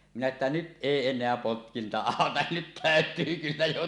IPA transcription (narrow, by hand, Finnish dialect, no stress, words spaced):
minæ etːæ nyt ʔeˑi enˑeæ potkintɑ ɑˑotɑ nyt tæˑøtˑyː kylːæ jo